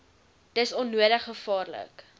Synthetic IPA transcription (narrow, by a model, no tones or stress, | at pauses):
d̥əsɔnːuəɾəχːəfɑːrlə̰k